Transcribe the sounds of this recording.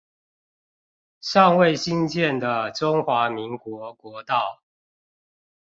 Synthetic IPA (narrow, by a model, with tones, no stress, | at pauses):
ʂɑ˥˧ŋwe˥˨ɪɕi˦nt͡ɕjɛ˥˨nd̪ə˨˩ʈ͡ʂʊ˦ŋxwa˨˥mi˨˦ŋkwɔ˨˧˦kwɔ˨˦t̪ɑ˥˨ʊ